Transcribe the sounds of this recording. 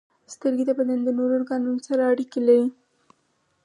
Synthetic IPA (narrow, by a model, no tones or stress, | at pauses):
st̪əɾɡet̪abad̪and̪ənoɾoɾɡɑnunosaɾaːɽikelaɾi